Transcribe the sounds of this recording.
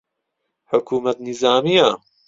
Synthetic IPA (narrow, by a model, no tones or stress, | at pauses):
ħʊkʰuːmɐt̪nizaːmija